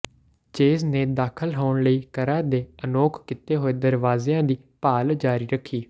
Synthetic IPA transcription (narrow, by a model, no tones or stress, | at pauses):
t͡ʃeːzneːd̪aːkʰəlɦoːɳləiːkəɾãːd̪eːənoːkʰkɪt̪eːɦoːeːd̪əɾʋaːzeːãːd̪iː | paːld͡ʒaːɾiːɾəkʰːiː